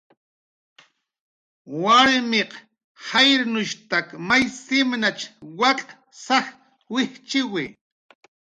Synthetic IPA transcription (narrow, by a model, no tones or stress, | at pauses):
waɾmeq | hajɾnʊʃt̪akmajsɪmnat͡ʃwakʼ | saχ | wɪht͡ʃɪwɪ